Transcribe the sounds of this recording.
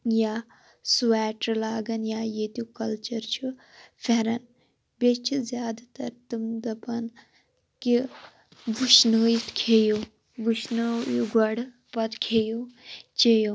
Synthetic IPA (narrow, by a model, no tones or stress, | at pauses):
jaː | suaːʈɾlaːɡɐnjaːjeːt̪jukɐlt͡ʃɐɾt͡ʃʰufeɾɐn | bʲet͡ʃʰuzjaːd̪at̪ɐɾt̪ɨmd̪ɐpɐn | ki | ʋuʃnoːjit̪ʰkʰejo | ʋuʃnojuɡɐɽ | pɐt̪kʰeːjut͡ʃejo